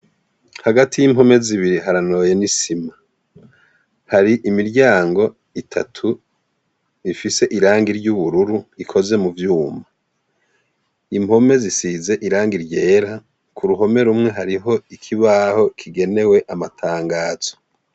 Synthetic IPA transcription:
haɡatijimho̞me̞ziβiɾiɦaɾano̞ːje̞nisima | haɾiʔimiɾɟaːŋɡo̞ | itʰa̰tʰu | ifise̞ʔiɾaːŋɡiɾɟuβuɾuɾuikʰo̞ze̞muvjuːma | imho̞me̞zisize̞ʔiɾaːŋɡiɾɟe̞ːɾa | kuɾuɦo̞me̞ɾumŋe̞ɦaɾiɦo̞ikʰiβaho̞kʰiɡe̞ne̞we̞ʔamatʰaːŋɡaːz̥o̞

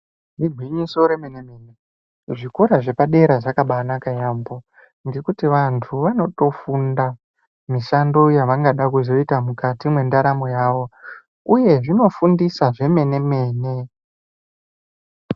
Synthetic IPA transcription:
niɡʱwiɲiso̞ɾe̞menemeːne | ʐikoɾaʐe̞paɗe̞ɾaʐakaɓanakajaːmbo̞ | nɡekutiʋantʰuʋano̞to̞funda | miʃando̞jaʋaŋɡaɗakuzo̞itamukatimwe̞ndaɾamo̞jaːʋo̞ | uje̞ʐino̞fundisaʐe̞me̞ne̞me̞ːne̞

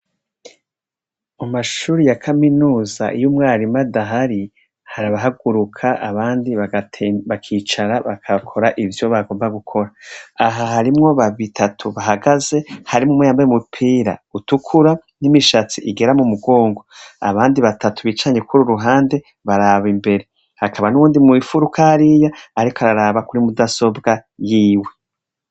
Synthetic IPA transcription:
amaʃuːɾijakʰaminuːza̰ʔijumŋaːɾimadaɦaɾi | haɾaβaɦaɡuɾukʰaʔaβaːndiβaɡatʰβakʰiːt͡ʃaɾaβakʰakʰo̞ɾaʔivjo̞βaɡoːmbaɡukʰo̞ɾaːɦaɦaɾimŋo̞βaβitʰatʰuβaɦaɡaze̞haɾimumwejaːmbaemupʰiːɾa̰utukʰuɾanimiʃat͡siʔiɡe̞ɾamumuɡo̞ːŋɡo̞a̰βaːndiβatatuβit͡ʃaɲe̞kʰuɾuɾuɦaːnde̞ | βaɾaβimbe̞ɾe̞ | hakʰaβanuβuːndimŋiːfuɾukʰahɾijaːɾikoaɾaɾaːβakuɾimudaso̞bɡajiːwe̞

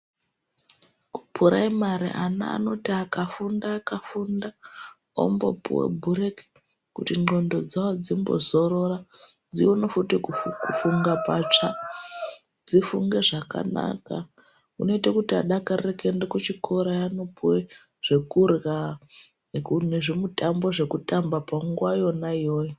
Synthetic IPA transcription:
upʰuɾaimaɾḭʔana̰ːno̞tiakafundaːkafunda | o̰mbo̞̰pṵwḛbʱuɾeki̥ | kutiŋ͡ǃondo̞d͡zawod͡zimbo̞̰zoɾo̞ɾa | d͡zionofutikukufuŋɡapat͡ʂa | d͡zifuŋɡe̞ʐaka̰na̰ka | ṵno̞itakutiaɗakarekendekut͡ʃikʰo̞ɾajanopuwe | ʐ̥e̞kurɣa | kuneʐemutambo̞ʐe̞kutambapaŋɡwajo̞naijoːjo

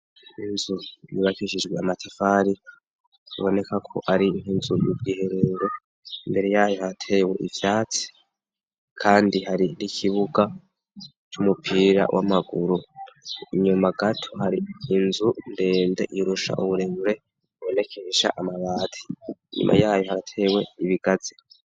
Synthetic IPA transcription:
inzujiβakiʃid͡ʒɡweamatʰafaɾi | iβo̞nekakʰo̞̰ʔaɾiŋ̥hinzujṵb̚ɡiːhe̞ɾe̞ɾo̞ | imbe̞ɾe̞jaːjohatʰewe̞ʔivjaːt͡si̥ | kʰaːndiɦaɾinikʰiβuɡa | t͡ʃumupʰiːɾa̰wʔa̰maɡuɾu | iɲumaɡatʰohaɾiːnzunde̞ːnde̞̰ʔiɾuʃa̰ʔuβuɾeːβuɾe̞ | iβo̞ne̞kʰe̞ʃa̰ʔamaβaːtʰi̥ɲṵmʔa̰jaːjo̞haɾatʰe̞we̞iβiɡ̥azi̥

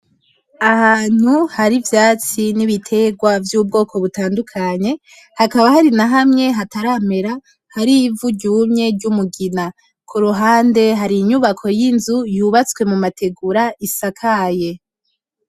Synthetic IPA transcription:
ahaːn̥huhaɾivjaːt͡siniβitʰe̞ɡwavjuːb̚ɡo̞ːkʰo̞βutaːndukʰaɲe̞ | hakaβahaɾinaɦamŋe̞ɦataɾame̞ɾa | haɾivuɟuːmɲe̞ɾɟumuɡina | kʰuɾuɦaːnde̞ɦaɾiɲuβakʰo̞jinzujuːβat͡swe̞mumatʰe̞ɡuɾaisakʰaje̞

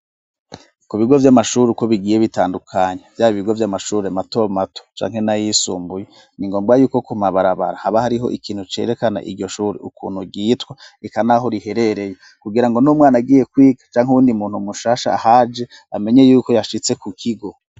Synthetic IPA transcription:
kuβiɡo̞vjamaʃuɾikoβiɡiːje̞βitaːndukʰaɲevjaːβiβiɡo̞vjamaʃuːɾemato̞mato̥t͡ʃa̰ːŋ̥he̞najisuːmbuje̞ | niŋɡo̞ːmbɡajuːko̞kumaβaɾaβa̰ɾahaβahaɾiɦo̞̰ʔikʰiːn̥hut͡ʃe̞̰ɾe̞kana̰ʔiɾɟo̞ʃuːɾḭukuːn̥huɡiːtwaikanaɦo̞ɾihe̞ɾe̞ɾe̞je | kuɡiɾaŋɡo̞numŋaːnaɡiːje̞kwiːɡḁt͡ʃaːŋuwuːndimuːnhumuʃaːʃa̰ahad͡ʒe̞ | ame̞ɲe̞juːko̞jaʃit͡se̞kukʰiɡo̞

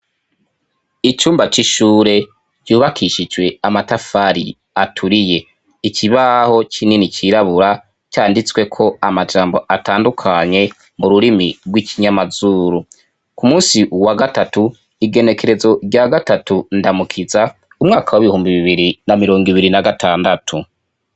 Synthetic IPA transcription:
it͡ʃuːmbat͡ʃiʃuːɾe̞ | d͡ʒ̥ɟuːβakʰiʃid͡ʒwe̞amatafaɾḭ | atʰuɾije̞ | icʰiβaho̞t͡ʃininit͡ʃiɾaβuɾa | caːndit͡swe̞kʰo̞amad͡ʒaːmbo̞ʔataːndukʰaɲe̞ | muɾuɾimiɾɡwicʰiɲamazuːɾu | kumuːsiwaɡatatu | iɡe̞ne̞ke̞ɾe̞zo̞ɡɟaɡatatundamukʰiza | umŋaːkawiβihuːmbiβiβiɾinamiɾo̞ːŋɡiβiɾinaɡatʰaːndatʰu

